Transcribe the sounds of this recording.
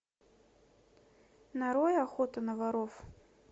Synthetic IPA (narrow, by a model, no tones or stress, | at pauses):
naɾɔjaxɔt̪ɐnɐvaɾɔf